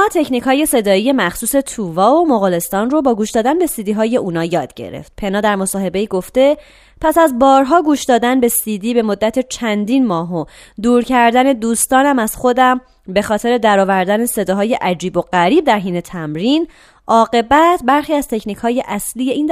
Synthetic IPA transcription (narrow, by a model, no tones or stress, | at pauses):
ɒːt̪ʰe̞cʰniːchɒːje̞se̞d̪ɒːije̞mæxsuːse̞t̪ʰuːvɒːomoɣɒːle̞st̪ɒːnro̞bɒːɡuːʃd̪ɒːd̪ænbe̞siːd̪iːɦɒːje̞ʔuːnɒːjɒːd̪̥ɟḛɾḛft̪̚pʰe̞nɒːd̪æɾmo̞sɒːhe̞be̞iːɡo̞ft̪e̞ | pʰæsæzbɒːɾɦɒːɡuːʃd̪ɒːd̪ænbe̞sid̪iːbemod̪ːæt̪ʰe̞t͡ʃʰænd̪iːnmɒːɦo | d̪uːɾcʰæɾd̪æne̞d̪uːst̪ɒːnæmæz̥xo̞d̪æm | be̞xɒːt̪ʰe̞ɾe̞d̪æɾɒːvæɾd̪æne̞se̞d̪ɒːɦɒːje̞ʔæd͡ʒiːbo̞ɢæɾiːb̚d̪æɾɦiːne̞t̪ʰæmɾin | ʔɒːɣe̞bæt̪ʰbæɾxiːæz̥t̪ʰe̞cʰnikʰhɒːje̞ʔæslijeʔind̪